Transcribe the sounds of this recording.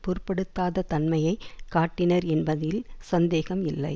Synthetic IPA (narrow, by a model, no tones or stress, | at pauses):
pʊɾpːɛɽɯt̪ːaːðɐt̪ɐnmɐjɐɪkaːʈːɪnɐɾɛnbɐðɪlsɐnd̪eːɣɐmɪlːɐ̰ɪ